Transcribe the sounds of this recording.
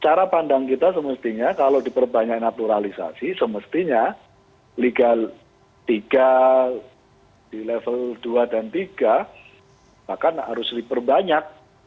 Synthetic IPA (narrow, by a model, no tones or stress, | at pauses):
t͡ʃaɾapandaŋkit̪asəməst̪iɲakalawdipərbaɲak̚nat̪uɾalisa̰sisəməst̪iɲa | liɡal | t̪iɡ̥a | d̥ilɛfəld̥uadant̪iɡ̥a | b̥ahkanɦa̰ɾʊsdipərbaɲak̚